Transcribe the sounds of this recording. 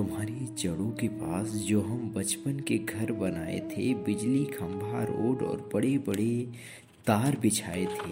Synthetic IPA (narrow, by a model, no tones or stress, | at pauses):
t̪ʊmɦaːɾet͡ʃɐɽũkepaːsd͡ʒoːɦɐmbɐt͡ʃpənkeɡʱɐɾbɐnaːḛt̪ʰebɪd͡ʒlikʰɐ̃mbʱaɾo̰ːɖɔ̰ːɾbɐɽebɐɽe | t̪aːɾbɪt͡ʃʰa̰ːet̪ʰeː